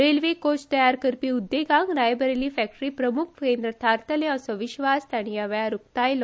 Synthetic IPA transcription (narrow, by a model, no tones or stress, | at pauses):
ɾelʋekost̪əjaɾkəɾpiud̪ːeɡãŋɡɾajbəɾelifɛk̚ʈɾiːpɾəmukʰkend̪ɾət̪ʰaɾt̪ʰəlẽəsɔʋiɕʋast̪aɽ̃ijaʋjaɾukt̪ajl